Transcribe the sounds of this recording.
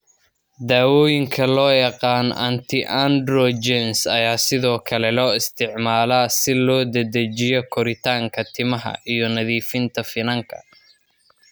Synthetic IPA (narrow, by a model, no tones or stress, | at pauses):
d̪aːwɔːjɪŋkʰɐlɔːjɑqɑːnɐ̰nt̪ʰɪʔɐnd̪rɔd͡ʒɛnsɐjaːsɪðɔːkʰɐlɛlɔːɪst̪ʰɪʕmaːlaːsɪlɔːd̪ɐd̪ɐt͡ʃɪjɔkʰɔɾɪt̪ʰaːŋkʰɐt̪ʰɪmɐɦɐ̰ʔijɔnɐðiːfɪnt̪ʰɐfɪnɐŋkʰɐ̰